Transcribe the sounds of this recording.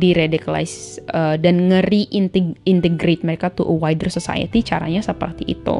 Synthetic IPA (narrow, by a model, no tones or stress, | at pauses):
diɾedikala̰jsədanŋəɾiʔint̪iint̪ɛɡɾet̪̚məɾekat̪uʔwajdərsosa̰jə̰t̪it͡ʃaɾa̰ɲasəpə̰rt̪iʔḭt̪ṵ